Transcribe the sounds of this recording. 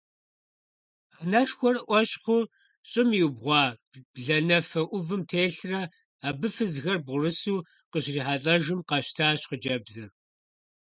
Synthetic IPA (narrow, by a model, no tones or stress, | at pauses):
anɐʃxʷɔrʔʷɔɕχʷʊ | ɕʼɪmjibʁʷɑː | bɮɐnɐfɐʔʷʊvɨmtʰeːɬrɐ | aːbɨfɨzɣɐrbʁʷʊrɨsuː | qəɕriːħaːɬʼɐʒɨmqɑɕtʰaːɕqəd͡ʒɐbzɨr